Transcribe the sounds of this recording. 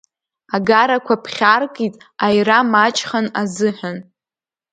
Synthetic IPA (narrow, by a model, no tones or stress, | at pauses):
aɡaɾakʷʰapʰχʲarkʼitʼajramat͡ʃʼχanazɨħʷᶣan